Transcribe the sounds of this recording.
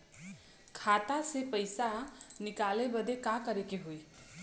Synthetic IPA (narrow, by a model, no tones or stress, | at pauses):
kʰat̪asepəjsanikalebəd̪ekakəɾekeɦui